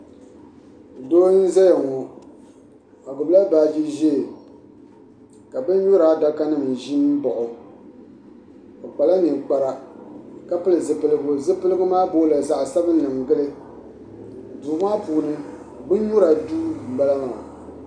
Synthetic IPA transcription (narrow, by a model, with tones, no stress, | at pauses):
doː˦n˦n̩˦za˦ja˨ŋɔ˨ | a˨ɡʊ˨bla˦ba˨d͡ʒi˦ʒe˦˨ | ka˨bɨ˦n˦ɲu˦ɾa˦da˦ka˦nɨ˦˨m˨ʒi˦n˦bɔ˨ʔʊ˨ | ɔ˨k͡pa˨la˦ni˨k͡pa˨ɾa˦ka˦pɨ˦lɨ˨zɨ˨pɨ˨lɨ˦ɡʊ˦zɨ˦pɨ˦lɨ˦ɡɨ˦maː˦boː˦la˨za˨ʔsa˦bɨ˦n̩˦lɨ˨ŋ˨ɡɨ˦lɨ˦˨ | du˨˦maː˦puː˨nɨ˦˨ | bɨ˦n˦ɲʊ˦ɾa˨duː˦˨ba˦la˦ŋa˨